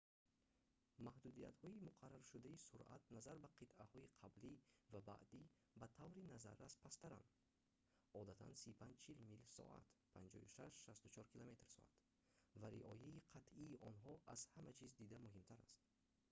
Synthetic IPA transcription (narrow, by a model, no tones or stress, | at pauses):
mahd̪ud̪ija̰t̪hɔimuqʰarːaɾʃud̪aisuɾʔa̰t̪̚nazaɾbaqʰit̪ʔahɔiqʰablivaba̰ʔd̪i | bat̪ʰavɾinaza̰ɾːaspʰast̪aɾa̰n | ɔd̪at̪ʰa̰nsipʰand͡ʒt͡ʃʰilmilsɔ̰ʔa̰t̪pʰand͡ʒɔ̰juʃaʃʃast̪ut͡ʃʰɔɾkʰilome̞t̪rsɔ̰a̰t̪ | vaɾḭʔɔ̰jaiqʰat̪ʔiːʔɔnɦɔʔaz̥hamat͡ʃʰizd̪id̪amuhimt̪ʰaɾa̰st̪̚